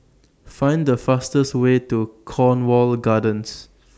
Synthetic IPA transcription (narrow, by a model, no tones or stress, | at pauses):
fãɪ̃ndəfastəstwetukʰɔ̃nwɔlɡadə̃ns